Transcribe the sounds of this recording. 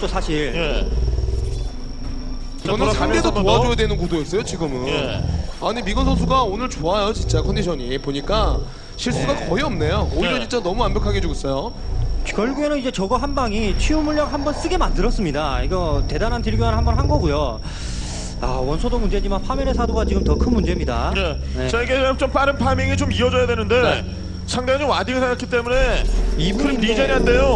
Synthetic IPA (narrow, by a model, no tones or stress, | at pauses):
t͡ɕ͈osʰaɕʰiɭje | ʌnʰamɡedopoad͡ʑojadwenɯnkudoes͈ʌjot͡ɕiɡɯmɯnaɲimiɡʌnsʰʌnsʰuɡaonɯɭt͡ɕoajot͡ɕint͡ɕ͈akʰʌnd̪iɕʰʌɲipoɲik͈a | ɕʰiɭs͈uɡakʌiʌmnejooiɾʌt͡ɕint͡ɕ͈anʌmuambjʌkʰaɡed͡ʑuɡes͈ʌjo | kjʌɭɡuɡenɯnid͡ʑe̞t͡ɕʌɡʌɦanbaŋit͡ɕʰiumuɭːak̚hambʌns͈ɯɡe̞mandɯɾʌs͈ɯmɲidaiɡʌte̞danɦantiɭɡjoŋanɦambʌnɦanɡʌɡujo | a̰wʌnsʰodomund͡ʑe̞d͡ʑimanpʰamiɾesʰadoɡat͡ɕiɡɯmtʌkʰɯnmund͡ʑe̞mɲida̰je | net͡ɕaiɡe̞t͡ɕomp͈aɾɯnpʰamiŋit͡ɕomiʌd͡ʑʌjadwenɯnde̞ | t͡ɕʰaŋdaŋat͡ɕomwadiŋɯɭsʰaak͈ʰit͈e̞mune̞ibuɾinid͡ʑeniɦande̞jo